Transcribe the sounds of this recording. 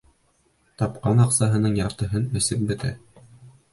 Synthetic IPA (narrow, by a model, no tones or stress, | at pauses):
t̪ɑpqɑnɑqsɑɦɤ̆nɤɴjɑɾt̪ɤ̆ɦɤnɘ̆sɘp̚bɘ̆t̪æ